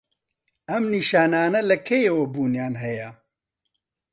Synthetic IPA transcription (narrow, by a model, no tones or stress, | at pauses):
ɐmniʃaːnaːnɐlɐkʰejewɐbuːnjaːnɦɛjɐ